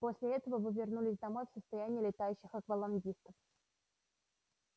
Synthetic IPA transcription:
po̞sʲlʲɪɛt̪əvəvɨvʲɪrnulʲɪsʲd̪ɐmo̞jfsəst̪ɐjænʲɪjəlʲɪt̪ajʉɕːɪxɐkvəlˠɐnɡʲist̪əf

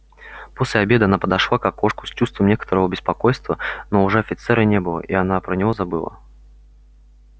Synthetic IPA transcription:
posʲlʲɪɐbʲed̪ɨanapəd̪ɐʂlˠakakːo̞ʂkʊ̥st͡ɕust̪vəmnʲekə̥t̪əɾəvəbʲɪspɐko̞jst̪vənoʊʐɛɐfʲɪt̪sɛɾənʲebɨlˠə̰ʔianapɾənʲɪvozabɨlˠa̰

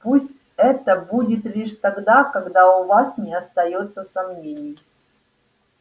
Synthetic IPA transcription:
pusʲtʲ | ɛt̪əbudʲɪt̪lʲiʂt̪aɡd̪akɐɡd̪aʊvasnʲɪɐst̪ɐjot̪sːəsɐmnʲenʲɪj

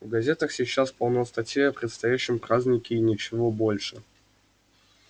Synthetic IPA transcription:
vɡɐzʲe̞t̪əxsʲɪt͡ɕːaspɐlˠnojst̪ɐtʲjeɐpɾʲɪt̪st̪ɐjæɕːɪmpɾazʲnʲɪkʲɪːnʲɪt͡ɕɪvo̞bo̞lʲʂɨ

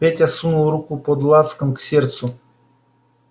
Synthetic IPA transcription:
pʲetʲasunulˠɾukupɔd̪lˠat̪skəmksʲɛɾt̪su

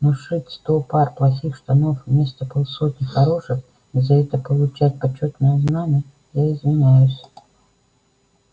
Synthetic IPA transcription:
noʂɨtʲst̪oparplˠɐxʲixʂt̪ɐnofmʲesʲt̪əpolˠsot̪ʲnʲɪxɐɾoʂɨx | izɐɛt̪əpəlˠʊt͡ɕæt̚ʲpɐt͡ɕːot̪nəjəznanʲɪjə | jaɪzvʲɪnʲæjʊsʲ

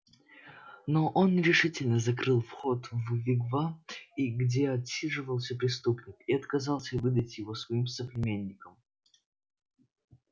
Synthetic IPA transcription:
noʔonɾʲɪʂɨtʲɪlʲnəzɐkɾɨlˠfxot̪vvʲɪɡvaiɡdʲeɐtsʲiʐɨvəlˠsʲəpɾʲɪst̪upnʲɪkiɐt̪kɐzalˠsʲəvɨd̪ətʲjɪvosvɐimsəpɾʲɪmʲenʲːɪkəm

